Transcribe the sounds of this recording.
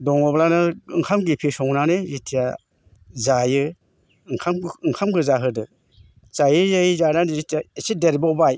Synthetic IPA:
dɔŋɔblanɯɯŋkʰamɡipʰisɔŋnanɯzitʰija | zajɯ | ɯŋkʰamɯŋkʰamɡɯzaɦɯdɯ | t͡ʃajɯzajizananɯzitʰijaesideɾbɔwbaj

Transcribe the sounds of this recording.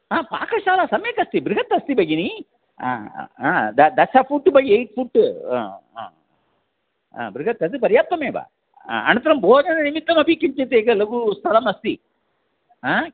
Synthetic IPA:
aːpa̰ːkɐʃaːlasɐmjeːkɐst̪ibɾɪɡɐt̪ːɐst̪ibɐjini | a̰aːd̪ɐd̪ɐʃapʰuʈːbɐjiejʈ̚pʰuʈː | bɾiɡɐt̪ɐt̪̬ɨp̬ɐɾjaːt̪ːɐmeːba̰ː | ɐ̰nɐ̃nt̪ɐɾɐmbʱoːd͡ʒɐnɐnimit̪ːɐmɐbʱikimt͡ʃɐt̪eːɡɐlɐɡust̪ʰɐlɐmɐst̪i | aː

